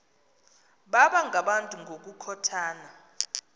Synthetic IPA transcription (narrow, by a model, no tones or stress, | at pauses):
ɓaɓaŋɡʱaɓantʼuŋʱok̬ʼukʰɔtʰaːna